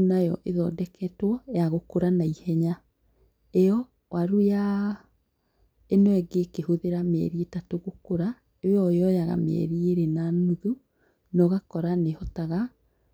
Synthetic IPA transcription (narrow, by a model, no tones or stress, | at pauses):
najɔʔeðɔdɛkʰɛtwɔjaɣokoɾanaihɛɲa | eɔ | wʔaɾuja | enoɛɡekehoðeɾamɛ̰ɾietatoɣokoɾa | ejɔjɔjaɣa̰mɛ̰ɾieɾenanuðu | nɔɣakɔɾanehɔtaɣa